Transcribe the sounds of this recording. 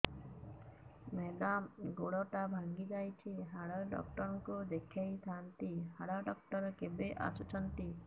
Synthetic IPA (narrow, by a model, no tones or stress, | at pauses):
med̪amɡoɽɔʈabʱaŋɡid͡ʒajt͡ʃʰiɦaɽaɖɔ̰kʈɔɾɔŋkud̪ekʰjajst̪ʰant̪ihaɽaɖɔk̚ʈɔɾɔkebeʔa̰sut͡ʃʰɔnt̪i